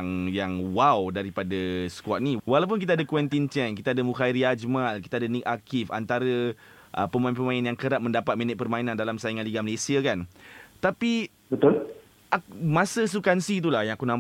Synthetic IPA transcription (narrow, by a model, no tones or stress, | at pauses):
ŋjaŋwawdaɾipadasə̥kwaʔ̪̚niwalawp̬unkit̪aadəkwɛnt̪int͡ʃɛnkit̪aadəmukaiɾiad͡ʒmalki̥t̪aːdənikakifa̰nt̪aɾə | ʔəpəmãĩnpəmainanjaŋkəɾap̚mə̃ndapat̪̚minɛt̪̚pərmãinandalamsaiŋaliɡaməlesiakant̪api | bət̪ʊl | amãsəs̬ukansit̪̬ulahjãŋakunãm